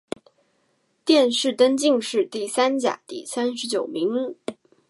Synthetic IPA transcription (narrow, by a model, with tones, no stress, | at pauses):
t̪jɛ˥˧nʂɻ̩˥˩t̪ə˥nt͡ɕi˥˧ŋʂɻ̩˥˧t̪i˥˩sa˥nt͡ɕja̰˨˩˦t̪i˥˩sa˥nʂɻ̩˧˥t͡ɕjo˨˩ʊmi˧˥ŋ